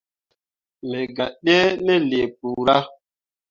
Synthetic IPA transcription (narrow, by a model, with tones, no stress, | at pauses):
mɛ˨ɡa˨ɗɛ˦nɛ˦le˨pu˨ɾa˦